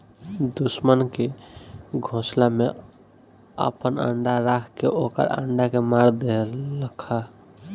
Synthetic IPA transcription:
d̪usmənke | ɡʱõslame | ə̰pənə̰ɳɖaɾakʰkeʔokə̰ɾə̰ɳɖakemaɾd̪elːəkʰa

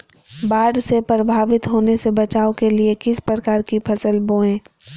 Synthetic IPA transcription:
baːɖsepɾɐbʱaːʋɪt̪ɦoːnesebɐt͡ʃaːokeliekɪspɾəkaːɾkipʰɐsəlboːẽː

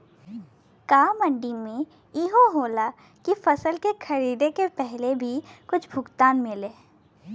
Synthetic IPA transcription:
kaːmɐ̃ɳɖimẽ | iɦoɦoːla | kifɐsəlkexʰɐɾiːd̪ekepɛɦlebʱikʊt͡ʃʰbʱʊkt̪aːnmɪleː

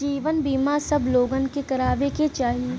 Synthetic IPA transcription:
d͡ʒiːʋənbiːmasɐbloːɡə̃nkekɐɾaːʋeket͡ʃaːɦie

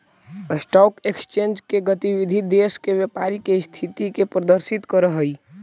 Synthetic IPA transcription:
sʈɔkekst͡ʃend͡ʒkeɡət̪ibid̪ʱid̪eskebjepaɾikest̪ʰit̪ikepɾəd̪əɾsit̪kəɾəɦəj

